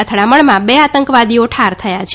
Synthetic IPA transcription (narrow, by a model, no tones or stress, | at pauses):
ət̪ʰəɽaməɭmãbeat̪əŋkʋad̪ioʈʰaɾt̪ʰəjat͡ʃʰe